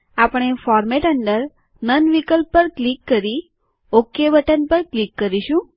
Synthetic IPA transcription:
apɽ̃efɔɾmeʈəɳɖəɾ | nənʋikəlpːəɾklikːəɾi | okːebəʈənpəɾklikːəɾiʃũ

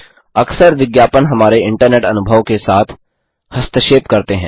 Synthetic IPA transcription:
ɐksəɾʋɪɡjaːpənɦɐmaːɾeɪ̃ɳʈəɾneːʈɐnʊbʱəʋkesaːt̪ʰ | hɐst̪ʰəʃeːpkɐɾt̪eɦɛ̃ː

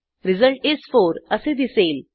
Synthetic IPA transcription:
ɾizəɭʈesfoɾəsed̪isel

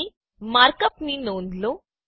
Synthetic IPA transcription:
i | maɾkəp̚miːnond̪lo

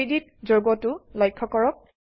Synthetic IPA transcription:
idit̚ | zoɹɡɔtʊlɔjkʰːɔkɔɹɔk̚

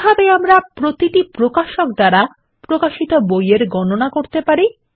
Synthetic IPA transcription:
bʱabeamɾapɾot̪iʈipɾokaʃok̚d̪aɾa | pɾokaʃit̪obojeɾɡɔnonakoɾt̪epaɾi

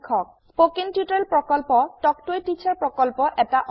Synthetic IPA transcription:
kʰɔk̚ | spokintjutɹɛlpɹɔkɔlpɔtɔk̚tojtit͡ʃʰaɹpɹɔkɔlpɔʔɛtaʔɔ

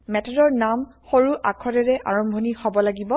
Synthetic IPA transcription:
mɛtʰɔdɔɹnamxoɹuʔakʰɔdɛɹɛʔa̰ɹɔmbʱonihɔbɔlaɡibɔ

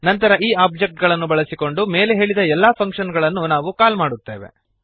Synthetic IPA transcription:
nɐnt̪ɐɾɐʔiːaːb̚d͡ʒek̚ʈ̚ɡɐɭɐnːubɐɭɐsiko̞ɳɖume̞ːleɦe̞ːɭid̪ɐɛlːaːpʰɐŋkʂɐnɡɐɭɐnːunaːʋukaːlmaːɽut̪ːe̞ːʋe̞̰

